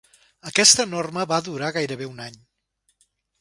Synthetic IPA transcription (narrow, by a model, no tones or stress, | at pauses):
əkɛst̪ənorməβaðuɾaɣajɾəβ̞eunaɲ